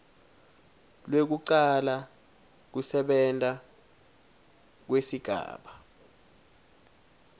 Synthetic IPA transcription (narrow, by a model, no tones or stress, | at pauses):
lwek̬uǀala | k̬usɛɓɛntʼa | k̬wesiɡ̥ʱa̰ːɓa